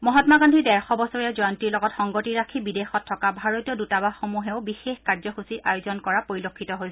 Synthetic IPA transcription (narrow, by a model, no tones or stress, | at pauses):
mɔɦɔtmaɡɔndʱidɛɹxɔbɔsɔɹijɛzɔjɔntiɹlɔɡɔtxɔŋɡotiɹakʰibidexɔtʰːɔkabʱaɹotijɔdutabaxomuɦeʊbixexkaɹzɔxusiʔajozɔnkɔɹapoɹilokʰːitɔɦojs